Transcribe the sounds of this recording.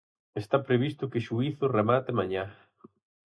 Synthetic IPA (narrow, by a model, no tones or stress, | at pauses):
est̪apɾeβ̞ist̪ʊkeʃuiθʊremat̪ɪmaɲa